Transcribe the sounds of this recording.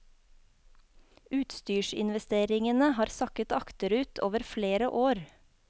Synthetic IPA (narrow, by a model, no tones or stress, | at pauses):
ʔʉːt̪st̪yːʃɪ̰nʋɛst̪eːɾɪŋənəhɑːɾsɑkət̪ɑkt̪əɾʉːt̪ʰoːʋəɾfleːɾəʔoːɾ